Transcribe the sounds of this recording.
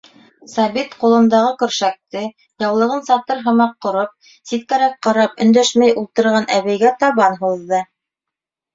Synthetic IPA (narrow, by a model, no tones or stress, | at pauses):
sɑβit̪qulˠɤ̆nd̪ɑʁɤkɵ̆ɾʃæk̚t̪ɘ | jɑwlˠɤ̆ʁɤnsɑt̪ɤɾɦɤ̆mɑqːŏɾop̚ | sit̪̚kæɾæk̚qɑɾɑpɵ̆nd̪æʃmæjulˠt̪ɤ̆ɾʁɑnʔæβæjɡæt̪ɑβɑnɦuðːɤ